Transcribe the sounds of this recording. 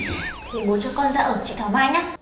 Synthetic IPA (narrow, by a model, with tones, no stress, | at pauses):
t̪ʰi˨˩ɓo˨˦nt͡ɕɔ˧kɔ˧nzaː˧ʔəː˨˩k̚t͡ɕḭ˧˩t̪ʰɔ˨˩˦maː˧jɲaː˦˥